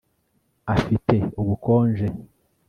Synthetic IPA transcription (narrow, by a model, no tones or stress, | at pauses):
afite̞uɡukoːnʒe